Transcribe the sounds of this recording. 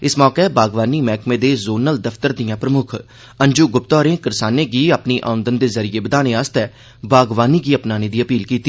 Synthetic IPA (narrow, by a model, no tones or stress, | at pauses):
ɪsmɔːkebaːɡʋaːniːmɛːkmẽːd̪eːzoːnəld̪əfʰt̪əɾd̪ɪjãːpɾəmʊkʰ | əɲd͡ʒuːɡʊp̚t̪ɔːɾẽːkəɾsaːneːɡiːaːpniːʔa̰ːʊ̃nd̪ənd̪eːzəɾɪieːbəd̪aːneːaːst̪ɛː | baːɡʋaːniːɡiːəpnaːneːd̪iːəpiːlkiːt̪iː